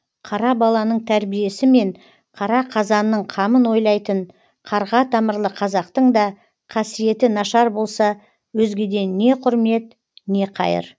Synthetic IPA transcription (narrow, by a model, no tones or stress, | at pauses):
qʰɑɾɑbɑlˠɑnəɴt̪ʰæɾbije̞sɪme̞ɴ | qʰɑɾɑqʰɑzɑnːəɴqʰɑmənwo̞jlˠɑjt̪əɴ | qʰɑɾʁɑt̪ʰɑməɾlˠəqʰɑzɑqt̪əɴd̪ɑ | qʰɑsije̞t̪ɪnɑʃɑɾbo̞lˠsɑ | wɵzɡʲe̞d̪e̞nːe̞qʰʊɾme̞t̪ | ne̞qʰɑ̰jə̰ɾ